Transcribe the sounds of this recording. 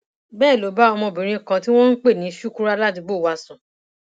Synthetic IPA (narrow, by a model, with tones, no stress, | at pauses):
bɛː˦˨lo˨˦ba˦ɔ˧mɔ̃˧˨bĩ˨ɾ̃ĩ˧˨kã˧ti˦w̃ɔ̃˦n̩˦k͡pe˦˨nĩ˨˦ʃu˦ku˦ɾa˦la˦ti˧bo˦˨wa˧sũ˨